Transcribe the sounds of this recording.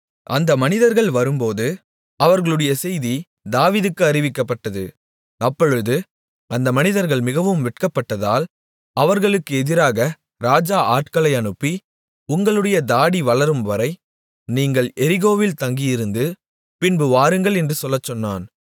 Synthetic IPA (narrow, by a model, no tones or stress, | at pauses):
ʔɐnd̪ɐmɐnɪðɐɾɣɐɭʋɐɾɯmpoːðɯ | ɐʋɐɾɣɐɭɯɽɐjɐsɛjði | d̪aːʋiːðɯkːɯɐɾɪʋɪkːɐpːɐʈːɐðɯ̰ | ɐpːɔɻɯðɯ | ɐnd̪ɐmɐnɪðɐɾɣɐɭmɪɣɐʋɯmʋɪʈkɐpːɐʈːɐða̰ːl | ɐʋɐɾɣɐɭɯkːɯɛðɪɾaːɣɐ | ɾaːd͡ʒaːʔaːʈkɐɭɐɪɐɳɯpːi | ʊŋɡɐɭɯɽɐjɐd̪aːɽiʋɐɭɐɾɯmʋɐɾɐɪ | niːŋɡɐɭɛɾɪɣoːʋɪlt̪ɐŋɡɪjɪɾɯnd̪ɯ | pɪnbɯʋaːɾɯŋɡɐɭɛndrɯsɔlːɐt͡ʃːɔnːa̰ːn